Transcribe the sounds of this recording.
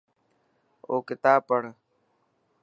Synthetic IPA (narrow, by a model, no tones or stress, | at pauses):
oːkɪt̪aːpəɽ